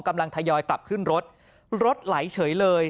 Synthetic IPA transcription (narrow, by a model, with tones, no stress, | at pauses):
ŋka˧mla˧ŋt̪ʰa˧jɔː˧jt̪a˨˩p̚kʰɯ˥˩nɾo˦˥t̪̚ | ɾo˦˥t̪̚la˩˦jt͡ɕʰɤː˩˦jləː˧j